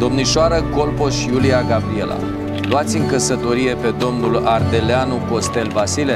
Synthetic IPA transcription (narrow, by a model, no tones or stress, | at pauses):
d̪o̞mniʃoaɾəko̞lpo̞ʃjuliaɡabɾie̞la̰ | luat̪sʲɨŋkəsət̪o̞ɾije̞pe̞d̪o̞mnulard̪e̞leanuko̞st̪e̞lvasile